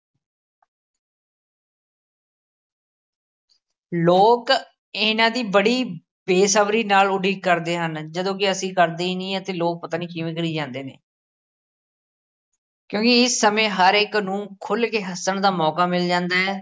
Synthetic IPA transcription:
loːk | ɪnãːd̪iːbəɽiː | beːsəbɾiːnaːlʊɖiːkəɾd̪eːɦənd͡ʒəd̪õːkɪəsĩːkəɾd̪eːinĩːət̪eːloːk̚pət̪aːniːkiʋəkɽiːd͡ʒãːnd̪eːnḛː | kjõːkɪɪsːəmẽːɦəɾɪknũːkʰʊlkeːɦəsəɳd̪aːmɔːkaːmɪld͡ʒãːnd̪aːɛː

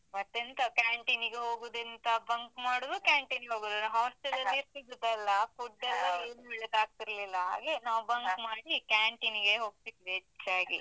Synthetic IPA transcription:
mɐt̪ːint̪ɐkjaːɳʈiniɡeɦo̞ːɡud̪ɐnt̪ɐbɐŋkmaːɽud̪ukaːɳʈiniɡeɦoːɡud̪uɦaːsʈelɐlːiɾt̪id̪ud̪ɐlːɐkuɖːɐlːɐieːnubiɭɐd̪aːɡ̚t̪iɾlilːɐɦa̰ːɡe̞naːʋubɐŋkmaːɽikaːɳʈiniɡe̞ɦo̞ːɡ̚sik̪ːɦet͡ʃːaːɡḭ

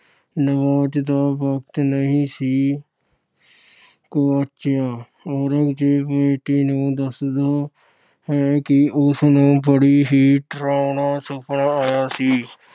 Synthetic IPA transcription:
nəʋaːd͡ʒd̪aːpəkt̪nəɦĩːsiː | koːətːʃʰaː | oːɾəkd͡ʒeːpeːʈiːnõːd̪əsd̪oː | ɦɛːkɪʊsnõːbəɽiːɦiːʈɾaːʊnaːsʊpəɳaaːjaːsiː

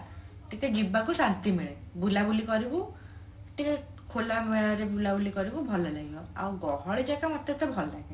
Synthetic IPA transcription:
ʈikeɡibakusant̪imeɭebulabulikɔɾibu | ʈike | kʰolameɭɔɾebulabulikɔɾibubʱɔlanaɡibɔa̰wɡɔɦɔɭid͡ʒakamat̪jɔt̪ebʱɔlda

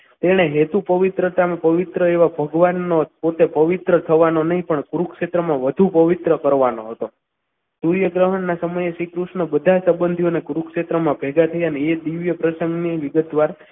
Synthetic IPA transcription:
t̪eɽ̃eɦet̪upəʋɪt̪ɾət̪amãpəʋit̪ɾəeʋabʱəɡʋanːopot̪epəʋit̪ɾət̪ʰəʋanonəɦĩpəɳkɾukʃet̪ɾəmãʋəd̪ʱupəʋit̪ɾəkəɾʋanoɦət̪o | suɾjəɡɾəɦəɳːasəməjeʃikɾuʃnəbəd̪ʱasəbənd̪ʱionekuɾukʃet̪ɾəmãbʱɛɡat̪ʰəjaneed̪iʋjəpɾəsəŋɡniʋiɡət̪̚ʋaɾ

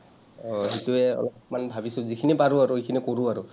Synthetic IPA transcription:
ɔɦetuɛɔ̰lɔp̚manbʱabisʊzikʰinipaɹʊaɹuekʰinikoɹʊaɹʊ

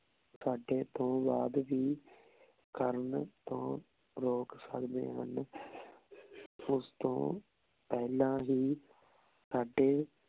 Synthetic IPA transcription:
saːɖeːt̪õːbaːd̪ʋiː | kəɾnt̪õː | ɾoːksə̰kd̪ḛːɦən | ʊst̪õ̰ː | pɛːlãːɦiː | saːɖeː

